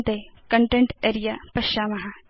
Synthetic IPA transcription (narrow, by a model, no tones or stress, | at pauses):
t̪ekɐɳʈẽɳʈeːɾijapɐʃaːmɐɦa